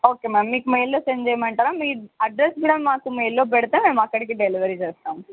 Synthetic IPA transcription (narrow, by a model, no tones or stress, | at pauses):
oːkeːmaːmːiːkume̞ːjlːo̞ːseɲd͡ʒejɐmɐɳʈaːɾaːmiːɾɐɖɾesmiːɽɐmaːkumeːjlːo̞ːp̬ɛɽit̪eːme̞ːmɐkːɐɽik̬iɖeliʋɐɾit͡ʃeːst̪aːm